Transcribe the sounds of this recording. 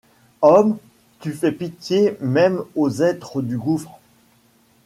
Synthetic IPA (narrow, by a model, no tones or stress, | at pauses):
ɔm | t̪yfɛpit̪jemɛmozɛt̪χəd̪yɡufχ